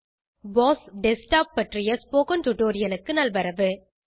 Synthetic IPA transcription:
boːsɖɛsʈaːpːɐʈrɪjɐspoːkɐnt̪ʊʈoːɾɪjɐlɯkːɯnɐlʋɐɾɐʋɯ

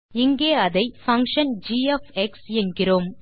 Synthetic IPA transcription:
ɪŋɡeːɐðɐɪfɐŋkʂɐnd͡ʒiːɛfɛksɛnɡɪroːm

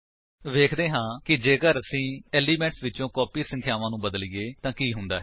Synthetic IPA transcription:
ʋeːkʰd̪eːɦãːkɪd͡ʒeːkəɾəsĩːɛːliːmɛ̃ɳʈsʋɪt͡ʃõːkɔːpiːsə̃ŋkʰjaːʋãːnũːbəd̪əliːɡeːt̪ãːkiːɦʊnd̪aːɦɛ

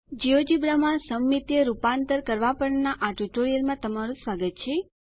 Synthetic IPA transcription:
d͡ʒiod͡ʒibɾamãsəmːit̪jəɾupant̪əɾkəɾʋapəɳnaʔaʈuʈoɾijəlmãt̪əmaɾũsʋaɡət̪̚t͡ʃʰe

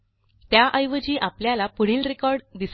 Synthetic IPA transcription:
t̪jaʔəjʋəd͡ʑiːʔapljalapəɽ̤iːlɾekɔɾɖd̪is

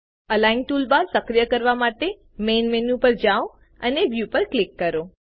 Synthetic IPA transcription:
əlajnʈulbaɾsəkɾijəkəɾʋamaʈe | menmenũpəɾd͡ʒao | ə̰neʋjupəɾklɪkːəɾo

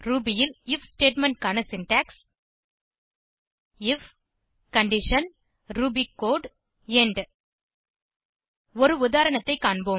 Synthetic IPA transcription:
ɾuːbijɪlɪfsʈeːʈmɛɳʈ̚kaːnɐsɪnʈæːks | ɪf | kɐɳɖɪʂɐn | ɾuːbikːoːɖ | ɛɳɖ | ɔɾɯʊðaːɾɐɳɐt̪ːɐɪkːaːɳboː

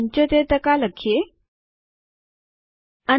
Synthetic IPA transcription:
ɲt͡ɕət̪et̪əkaləkʰːe | ə

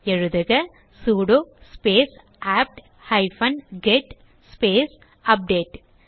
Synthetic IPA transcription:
ɛɻɯðɐɣɐ | suːɽospeːs | aːp̚ʈ | hɐɪfɐnɡeʈ | speːs | ɐp̚ɖeːʈ

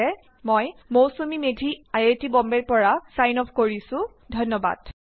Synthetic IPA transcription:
ɛ | mojmowsomimedʱiajetibɔmbɛɹpɔɹasajnɔpʰkoɹisʊ̃ | dʱɔnːɔba̰d̥

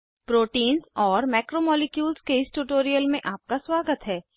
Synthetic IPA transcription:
pɾoːʈiːnzɔːɾmɛːkɾomɔːlɪkjuːlskeɪsʈuːʈoːɾijəlmẽʔaːp̚kaswaːɡət̪ɦɛː

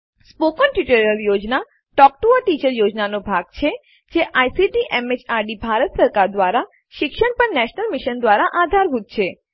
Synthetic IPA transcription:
spokənʈuʈəɾiəljod͡ʒna | ʈɔk̚ʈuəʈit͡ʃəɾjod͡ʒnanobʱaɡt͡ʃʰe | d͡ʒeʔajsiʈiʔɛmet͡ʃaɾɖibʱaɾət̪səɾkaɾd̪ʋaɾa | ʃɪkʃəɽpəɳnɛʃnəlmiʃənd̪ʋaɾaʔad̪ʱaɾbʱud̪̚t͡ʃʰe

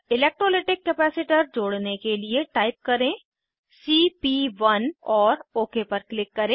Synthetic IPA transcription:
ɪlɛːk̚ʈɾoːleːʈɪkːɛːpɛːsɪʈəɾd͡ʒoːɽnekelieʈaːɪp̚kɐɾẽː | siːpiːʋɐnɔːɾoːkepɐɾklɪkːɐɾẽː

